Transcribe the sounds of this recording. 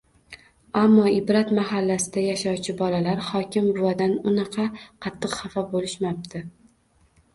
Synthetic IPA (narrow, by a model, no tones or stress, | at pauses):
amːɒɪbɾat̪maɦalːasɪd̪ajaʃɒwt͡ʃʰɪbɒlalaɾχɒkʲɪmbʊwad̪anʊnɑqʰɑqʰɑt̪ʰːɨqhɑfabolɪʃmap̚t̪ʰɪ